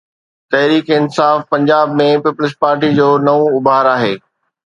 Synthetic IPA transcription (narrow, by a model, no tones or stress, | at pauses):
t̪ɐɦɾiːkɪnsaːfpɐ̃ɲd͡ʑaːbmẽpiːpʊlɪspaːɾʈid͡ʑoːnɐʋõʊbaːɾaːɦeː